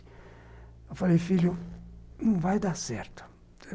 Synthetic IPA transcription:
afaɾifiʎũ | vajd̪asɛ̰ɾt̪ḁ | ɛ

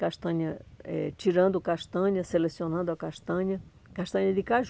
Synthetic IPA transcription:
kaʃt̪ɐ̃ɲɐɛ̰t͡ʃiɾɐ̃nd̪ʊkaʃt̪ɐ̃ɲɐselesionɐ̃nd̪ɐkaʃt̪ɐ̃ɲɐ | kaʃt̪ɐ̃ɲɐd̪ikaʒ

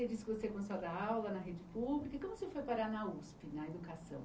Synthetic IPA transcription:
ed͡ʒisɪ̥kɪvosekõsad̪ɐawlɐnɐɦed͡ʒɪpublikɐikõmʊsefojpaɾanɐuspɪnɐed̪ukasɐ̰̃w̃

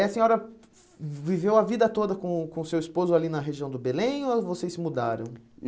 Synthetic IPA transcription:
ɐsẽɲɔɾɐ | vivewɐvid̪ɐt̪od̪ɐkõkõsewispozʊalinɐɦeʒiɐ̃w̃d̪ʊbelẽj̃ovosejsɪmud̪aɾɐ̃w̃

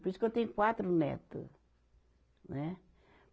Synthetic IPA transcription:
poɾisu̥kewt̪ẽj̃kwat̪ɾunɛ̰t̪ɨ̰ | nɛ

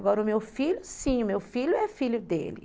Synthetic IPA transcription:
ɡɔɾɐʊmewfiʎʊsĩʊmewfiʎʊɛfiʎʊd̪ḛlɪ̰

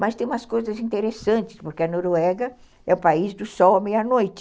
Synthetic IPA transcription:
mɐst̪ẽj̃umɐskojzɐzĩnt̪eɾesɐ̃nt͡ʃɪ̥spoɾkeɐnoɾwɛɡɐ | ɛʊpaizd̪ʊsɔwɐmejɐnojt͡ʃɪ

